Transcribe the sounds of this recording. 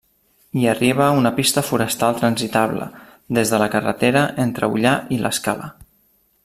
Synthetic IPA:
iəriβ̞əunəpist̪əfuɾəst̪alˠt̪ɾənzit̪aβlə̰ | d̪ezðələkərə̰t̪eɾəʔent̪ɾə̰ṵʎaʔilə̰skalə̰

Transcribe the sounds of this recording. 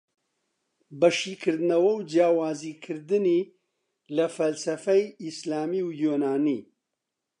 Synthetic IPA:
bɐʃiːkʰɨɾd̪ɨnɐwɐwd͡ʒjaːwaːziːkʰɨɾd̪ɨniː | lɐfɐlsɐfɛjislaːmiwjoːnaːniː

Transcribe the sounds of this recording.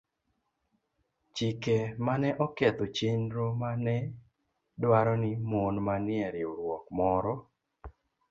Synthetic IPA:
t͡ʃikemanɛʔɔket̪ot͡ʃenɾomanɛ | dwaɾɔnɪmonmanɪɛɾɪoɾwɔkmɔɾɔ

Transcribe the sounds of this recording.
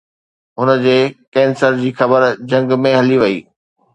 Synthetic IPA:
ɦʊnəd͡ʑeːkɛ̃ːnsəɾd͡ʑiːxɐbəɾd͡ʑɐ̃ŋɡmẽɦɐliʋɐḭː

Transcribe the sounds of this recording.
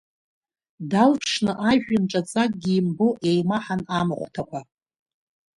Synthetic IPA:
dalpʰʂnɨʔaʒᶣɪnʈ͡ʂʼat͡sʼakʼɡʲiːmboʔe̞jmaħanamɨχʷtʰakʷʰa

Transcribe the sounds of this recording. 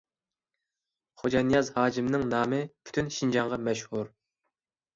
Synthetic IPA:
χod͡ʒɑnijɑzhɑːd͡ʒimnɨŋnɑːmɨpʰy̥t̪ʰynʃind͡ʒɑɴʁɑmɛʃhuɾ

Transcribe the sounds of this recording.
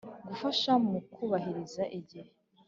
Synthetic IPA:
ɡufaʃamukuːβaɦiɾizaʔiɟihe

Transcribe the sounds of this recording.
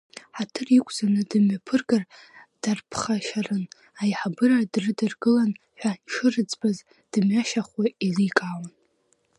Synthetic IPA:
ħatʰɨrikʷʼz̥anɨdɨmɥapʰɨrɡar | d̥arpʰχaʃarɨn | ajħabɨradrɨdɨrɡɨlan | ħᶣʷaʈ͡ʂʰɨrɨt͡sʼbaz | d̥ɨmɥaʃaχwaizikʼaːwan

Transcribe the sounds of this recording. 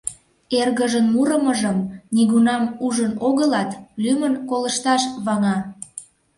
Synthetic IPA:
erɣəʒənmuɾəməʒəmniɣunɑmuʒənoɣəlɑt̪lymənkoləʃt̪ɑʃβɑŋɑ

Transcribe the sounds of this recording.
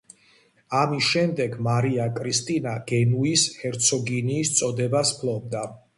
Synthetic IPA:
amisʃɛmd̪ɛɡmaɾiakʼɾist̪ʼinaɡ̥ɛnuishɛɾt̪sʰɔɡiniːst̪sʼɔd̪ɛbaspʰlˠɔb̚d̪a

